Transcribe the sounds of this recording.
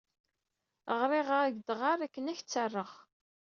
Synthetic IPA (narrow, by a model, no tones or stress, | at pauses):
əʁɾˤɪʁaɡd̪ʁaɾˤækːənæçt͡sːərːəʁ